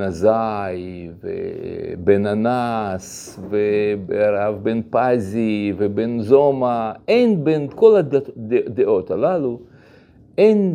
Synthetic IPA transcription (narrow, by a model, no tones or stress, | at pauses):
nazajvḛbenanas | vebeaɾavbenpazivebenzomaejnbenkoladed̪eʔo̞t̪halalu | ʔen